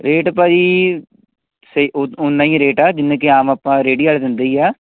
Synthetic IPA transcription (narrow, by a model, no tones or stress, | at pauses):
ɾeːʈpaːd͡ʒiː | seʊnːãːĩɾeːʈaːd͡ʒɪnːẽːkeaːmaːpːãːɾeːɽiːaːld̪ɪnd̪eiːaː